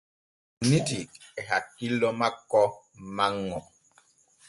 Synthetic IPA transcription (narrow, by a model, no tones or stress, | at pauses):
nitiɛɦakːilːɔmakːɔ | maŋːɔ